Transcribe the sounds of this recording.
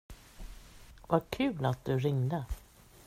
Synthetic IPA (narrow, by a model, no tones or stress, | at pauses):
vaɾkʰʉ̟ːlat̪̚d̪ɵɾɪŋd̪ə